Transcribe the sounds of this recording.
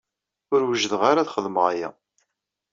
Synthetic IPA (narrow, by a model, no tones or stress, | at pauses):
ʊɾwəʒðəʁaɾaθχəðməʁajæ̰